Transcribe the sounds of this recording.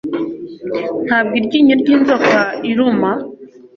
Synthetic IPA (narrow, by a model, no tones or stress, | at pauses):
n̥hab̚ɡiɾɟiːɲuɾɟiːnzokaiɾuma